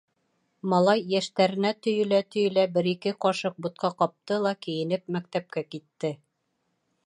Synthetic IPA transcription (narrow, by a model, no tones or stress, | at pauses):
mɑlˠɑjːæʃt̪æɾɘ̆næt̪ɵ̆jɵ̆læt̪ɵ̆jɵ̆læbɘɾikɘqɒʃɤq̚but̪̚qʰɑqɒp̚t̪ɤlˠɑkĭjɘ̆nɘp̚mæk̚t̪æp̚kækit̪ːɘ